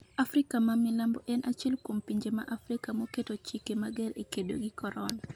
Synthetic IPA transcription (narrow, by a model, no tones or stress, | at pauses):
afɾɪkamamɪlambɔʔɛnʔat͡ʃɛlkwompiɲd͡ʒema̰ʔafɾikamɔketot͡ʃikemaɡɛɾekedo̰ɡikɔɾɔna